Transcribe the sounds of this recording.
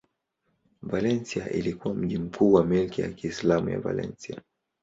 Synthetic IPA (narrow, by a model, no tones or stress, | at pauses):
valɛnsiaʔḭlikuwam̩ʄim̩kuːwamilkija̰kiːslamuja̰va̰lɛ̰nsia̰